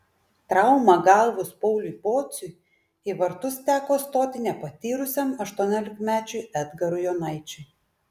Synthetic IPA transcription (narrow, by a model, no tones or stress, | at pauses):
t̪ɾɐʊmɐɡɐlˠʋʊspɔʊlʲʊjpoːt̪sʲʊj | iʋɐɾt̪ʊst̪ʲæːkoːst̪oːt̪ʲɪnʲɛpɐt̪ʲiːɾʊsʲɛmɐʃt̪uɔnʲoːlʲɪkmʲæːt͡ʃʲʊjʔɛd̪ɡɐɾʊjoːnɐɪt͡ʃʲʊ